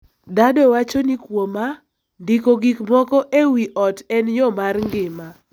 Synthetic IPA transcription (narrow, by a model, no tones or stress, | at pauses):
dadɔwat͡ʃonikwoma | ndikoɡikmɔkɔʔewiʔɔtɛnjɔmarŋɡɪma